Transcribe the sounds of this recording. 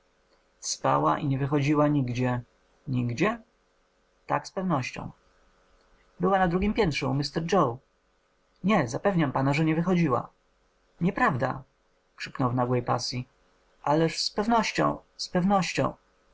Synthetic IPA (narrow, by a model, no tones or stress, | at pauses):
spa̰wa̰ʔiɲɛvɘxɔd͡ʑiwaɲiɡd͡ʑɛ | ɲiɡd͡ʑɛ | t̪a̰kspɛvnɔɕt͡ɕɔ̰̃w̃ | bɘwanad̪ɾuɡʲimpʲjɛnt̪ʂɛmɘst̪ɛɾd͡ʐɔw | ɲɛzapɛvɲampanaʐɛɲɛvɘxɔd͡ʑiwa̰ | ɲɛpɾavd̪a̰ | kʂɘ̥knɔwvnaɡwɛjpa̰sʲji | ʔalɛʂspɛvnɔɕt͡ɕɔ̰̃w̃spɛvnɔɕt͡ɕɔ̰̃w̃